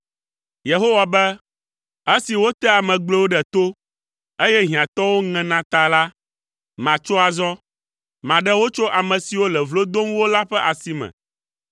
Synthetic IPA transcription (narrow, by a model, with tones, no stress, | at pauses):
je˨ɦo˦wa˨bɛ˦ | e˦si˨wo˦t̪ɛ˦a˨mɛ̃˨ɡ͡blɛ˦wo˦ɖɛ˨t̪o˦ | e˦jɛ˦ɦĩ˨ã˨t̪ɔ˦wo˦ŋɛ̃˨nã˨t̪a˨la˦ | mã˨t͡ʃo˦a˨zɔ˦ | mã˨ɖɛ˦wo˦t͡ʃo˦ʔa˨mɛ̃˨si˨wo˦lɛ˨vlo˦d̪o˦ŋ˦wo˦la˦ɸɛ˦ʔa˨si˦mɛ̰̃˨